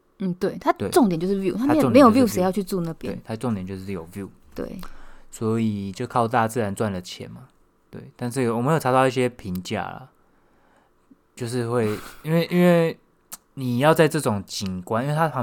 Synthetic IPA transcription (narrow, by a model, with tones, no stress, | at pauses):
n̩˥˩t̪we˥˩ɪt̪ʰa˥e˥˩ʈ͡ʂo˥ŋt̪jt͡ɕjʂ̩˥˩vju˥˨t̪ʰa˥mẽ˥˧˥ŋ˨e˧˦jo˨ju˥˨se˥ɪjɑ˥˧ʊt͡ɕʰy˥˧t͡su˥˧na˥˩pjɛ˦e˥˨t̪ʰa˥ʈ͡ʂo˥˧ŋt̪jnt͡ɕjo˥˧ʊʂɻ̩˥˩jo˨˩ʊvju˥˩˦ | t̪wḛ˥˩ɪswɔ˧˦i˨˩t͡ɕjo˥˧ʊkʰɑ˥˧ʊt̪a˥˧t͡sɹ̩˥˩ɻa˧˦nt͡swa˥˩nlə˩t͡ɕʰjɛ̰˨˦nma˨ | t̪wḛ˥˩ɪt̪a˥˧nʂ̬ɻ̩˥˩wme˧˥jo˨˩˧t̪ɑ˥˧ʊi˥˩ɕ̬jɛ˦pʰi˧˥ŋt͡ɕja̰˥˩lə̰˨˩ | t͡ɕjo˥˧ʊʂ̬ɻ̩˥˧xwe˥˩ɪi˥nwe˥˩ɪʔi˥nwe˥˩ɪ | ni˨˩jɑ˥˧ʊt͡sa˥˧ɪʈ͡ʂɤ˥˩ʈ͡ʂʊ˨˩ŋt͡ɕi˨˩ŋkwa˥˦nʔi˥nwe˥˧˩a˥pʰɑ˧˦